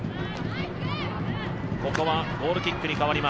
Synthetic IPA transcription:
ko̞ko̞βaɡo̞ːɾɯ̟kʲikːɯ̟ɲ̟ikaβaɾʲima

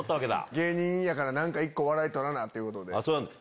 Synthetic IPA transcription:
ot̪ːaβake̞d̪a̰ɡe̞ːɲ̟ĩjakaɾanãŋkaikːo̞βaɾait̪oɾanat̪ːe̞iɯ̟ko̞t̪o̞d̪e̞asoːnãnd̪

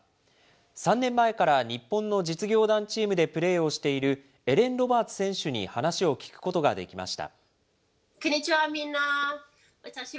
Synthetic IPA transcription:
sãnːẽ̞mːae̞kaɾaɲ̟ipːõ̞nːo̞d͡ʑit͡sɨɡʲo̞ːd̪ãɲt͡ɕiːmɯ̟d̪e̞pɯ̟ɾe̞ːo̞ɕi̥t̪e̞iɾɯ̟ | e̞ɾẽ̞nɾo̞baːt͡sɨ̥sẽɰ̃ɕɨɲ̟ḭhanaɕio̞kʲi̥kɯ̟̥ko̞t̪o̞ɡa̰d̪e̞kʲima̰ɕi̥t̪a̰ | kɯɲit͡ɕiβamʲĩnːa | at̪aɕi

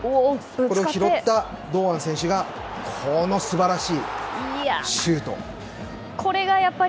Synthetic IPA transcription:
o | koeokçiɾo̞t̪ːa | d̪o̞ːãñsẽ̞ɰ̃ɕ̬ɨɡa | kʰono̞sɨbaɾaɕiː | ɕɯːt̪o̞̰ | kʰo̞ɾe̞ɡajapːa

